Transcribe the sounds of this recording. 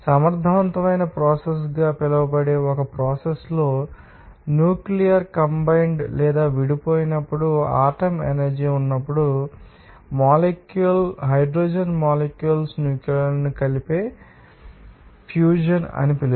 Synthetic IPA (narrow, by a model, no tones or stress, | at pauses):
sɐmɐɾd̪ʱɐʋɐnt̪ɐmɐjnɐpɾɔːses̬ɡaːpilɐʋɐbɐɽeːɔkɐpɾɔːseslo̞ː | njuːklijɐɾkɐmbɐjɳɖlɛːd̪aːʋiɽipo̞ːjinɐpːuɽuaːʈɐmḛnɐɾd͡ʒiːunːɐpːuɽu | maːlekjuɐlɦɐjɖɾoːd͡ʒɐnmaːlekjuɐlsnjuːkjuɐɾnikɐlipe̞ː | pʰjuːd͡ʒɐnɐ̰nipilu